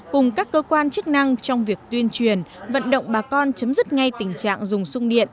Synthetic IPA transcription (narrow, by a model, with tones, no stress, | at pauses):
kʊ˨˩ŋ͡mkaː˦˥kːəː˧kwaː˧nt͡ɕɨ˦˥k̚na˧ŋt͡ɕɔ˧wŋ͡mvi˨˩ək̚t̪wi˧ənt͡ɕwi˨˩ənvə̰˧˨nɗə̰˧˨wŋ͡mɓaː˨˩kɔ˧nt͡ɕə˨˦mzɨ˦˥t̚ŋa˧jt̪ï˨˩ŋ̟t͡ɕa̰ː˧˨ŋzʊ˨˩ŋ͡msʊ˧ŋ͡mɗḭ˧˨ən